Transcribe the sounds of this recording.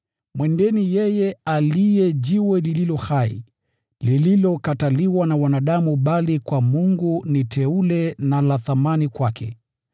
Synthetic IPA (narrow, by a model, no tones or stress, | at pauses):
mwɛndɛnijɛjɛalijɛʄiwɛlililɔhaḭ | lililɔkataliwanawanaɗamuɓalikwamuŋɡunitɛulɛnalaθamanikwakʰɛ̰